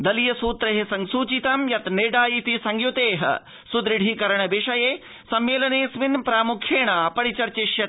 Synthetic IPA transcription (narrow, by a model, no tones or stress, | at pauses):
d̪ɐlijɐsuːt̪ɾɐɦesɐŋsuːt͡ʃit̪ɐmjɐt̪neːɖaːjit̪isɐŋɡjut̪eːɦɐ̰ | sud̪ɾiɽʱikɐɾɐɳɐbeʂɐjeː | sɐmːeːlɐneːsʋinpɾaːmukʰjeːɳaːpɐɾit͡ʃɐɾt͡ʃeʃjɐ